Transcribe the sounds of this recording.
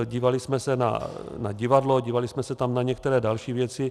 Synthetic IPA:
ɟiːvalɪsmɛsɛna̰naɟɪvadloɟiːvalɪsmɛsɛt̪amnaɲɛkt̪ɛɾɛːdalʃiːvjɛt͡sɪ

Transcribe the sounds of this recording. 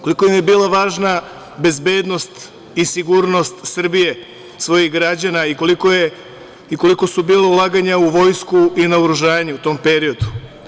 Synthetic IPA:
kolikojemebiːlˠaʋaːʒna | be̞zbe̞ːd̪no̞st̪ | isiɡuːɾno̞st̪sr̩bije̞ | sʋo̞jixɡɾad͡ʑanaiko̞likoje | iko̞liko̞subiːlaulˠaɡaɲauʋo̞jskuinaoɾuʒaːɲeut̪o̞mpe̞ɾio̞d̪u̥

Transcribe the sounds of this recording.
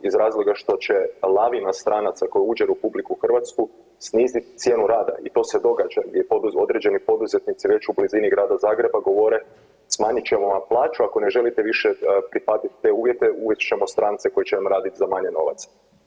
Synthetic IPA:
izɾaːzloɡaʃt̪o̞t͡ɕe̞lˠaʋimast̪ɾʔaːnat̪sako̞juuːd͡ʒeɾepublikuxr̩ʋat̪sku | sniːzit̪t̪sje̞ːnuɾaːd̪a̰it̪o̞ːse̞d̪o̞ɡad͡ʒaɡd̪ʲjepod̪uo̞d̪ɾe̞d͡ʑe̞nipo̞d̪uzet̪nit̪siʋe̞t͡ɕubliziniɡɾaːd̪azaːɡɾe̞baɡo̞ʋoɾe̞ | smaːɲit͡ɕemoʋaplˠaːt͡ʃuako̞ne̞ʒe̞lit̪eʋiʃepɾixaːt̪it̪t̪e̞uːʋje̞t̪e̞uʋjet̪t͡ʃe̞mo̞st̪ɾaːnt̪seko̞jet͡ɕenamɾaːd̪it̪zamaɲe̞no̞̰ʋa̰t̪s

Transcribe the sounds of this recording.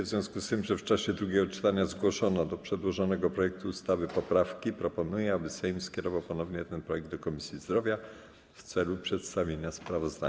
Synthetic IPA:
vzvjɔ̃w̃skust̪ɘmʐɛft͡ʂaɕɛd̪ɾuɡʲjɛɡɔt͡ʂɘ̥t̪aɲazɡwɔʂɔnɔd̪ɔpʂɛd̪wɔʐɔnɛɡɔpɾɔjɛk̚t̪uːst̪avɘpɔpɾafkʲipɾɔpɔnujɛabɘsɛjmskʲɛɾɔvawpɔnɔvɲɛt̪ɛnpɾɔjɛɡ̚d̪d̪ɔkɔmʲisʲjizd̪ɾɔvʲja | ft̪sɛlupʂɛt̪st̪avʲeɲaspɾavɔzd̪a̰

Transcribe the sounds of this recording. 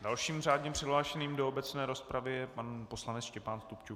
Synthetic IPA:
dalʃiːmr̝aːdɲɛpr̝̥ɪɦlaːʃɛniːmdoobɛt͡snɛːɾo̞spɾavɪjɛpanpo̞slanɛt͡sʃcɛpaːnst̪upt͡ʃu

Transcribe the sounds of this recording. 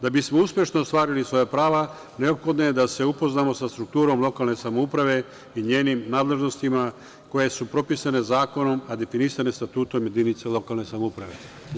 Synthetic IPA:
d̪abismouspje̞ʃnoːst̪ʋaːɾilisʋo̞japɾaːʋa | ne̞opxo̞d̪noje̞d̪ase̞upoznaːmo̞sast̪ɾuk̚t̪uːɾo̞mlˠo̞kalne̞samoupɾaʋe̞ | iɲeːnimnaːd̪le̞ʒno̞st̪ima | ko̞je̞supɾo̞pisane̞zaːko̞no̞mad̪e̞finisane̞st̪at̪uːt̪o̞mje̞d̪init̪selo̞kalne̞samoupɾaʋe̞̰

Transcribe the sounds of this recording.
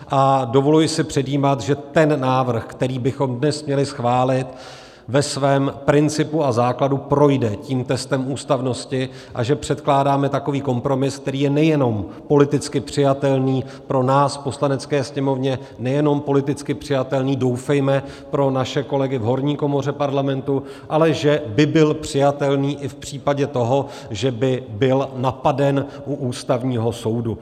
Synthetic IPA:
ʔadovo̞lujɪsɪpr̝̥ɛdjiːmat̪ʒɛt̪ɛnːaːvr̩xkt̪ɛɾiːbɪxo̞mdnɛsmɲɛlɪsxvaːlɪt̪ | vɛsvɛːmpɾɪnt͡sɪpuazaːkladupɾo̞jdɛciːmt̪ɛst̪ɛmuːst̪avno̞scɪ | ʔa̰ʒɛpr̝̥ɛt̪klaːdaːmɛt̪ako̞viːko̞mpɾo̞mɪsk̚t̪ɛɾiːjɛnɛjɛno̞m | po̞lɪt̪ɪt͡skɪpr̥ɪjat̪ɛlniː | pɾo̞naːsfpo̞slanɛt͡skɛːsɲɛmo̞vɲɛ | nɛjɛno̞mpo̞lɪt̪ɪt͡skɪpr̥ɪjat̪ɛlniːdo̞wfɛjmɛ | pɾo̞naʃɛko̞lɛɡɪvɦo̞ɾɲiːko̞mo̞r̝ɛpaɾlamɛnt̪u | ʔalɛʒɛbɪbɪlpr̝̥ɪjat̪ɛlniːʔɪfpr̥iːpaɟɛt̪o̞ɦo̞ | ʒɛbɪbɪlnapadɛnʔuʔuːst̪avɲiːɦo̞so̞wdu

